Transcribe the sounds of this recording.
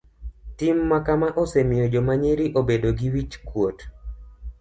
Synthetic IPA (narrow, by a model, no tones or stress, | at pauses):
timːakamaʔosemɪjod͡ʒomaɲeɾiʔobedoɡiwit͡ʃkwot